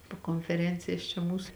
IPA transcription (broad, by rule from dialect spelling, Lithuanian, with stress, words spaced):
poː koːnʲfʲɛˈrʲɛnʲt͡sʲɪjɛs t͡ʃʲɛ ˈmuːs